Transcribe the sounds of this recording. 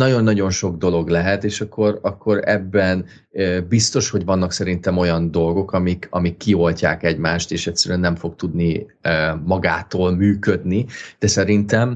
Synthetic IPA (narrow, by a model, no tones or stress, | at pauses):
nɒɟo̞nːɒɟo̞nʃo̞ɡ̚d̪o̞lo̞ɡlɛɦɛt̪eːʃɒkʰːo̞ɾɒkʰːo̞ɾɛ̰bːɛn | øbist̪o̞ʃho̞ɟvɒnːɒksɛɾint̪ɛmo̞jɒnd̪o̞lɡo̞kɒmikɒmikːio̞lcaːkɛɟmaːʃt̪eːʃɛcsɛɾyɛnːɛɱfo̞kt̪ud̪niøːmɒɡaːt̪oːlmyːkø̞d̪nid̪̥ɛsɛɾint̪ɛm